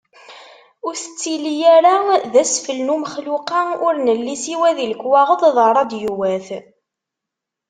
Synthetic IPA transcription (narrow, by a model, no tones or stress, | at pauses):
ʊɾθə̥t͡sːilijæɾaðæsfəlnuməχluqɑʊɾnəlːisiwæðiləkːwɑʁəðˤðˤɑɾˤɑd̪juwæθ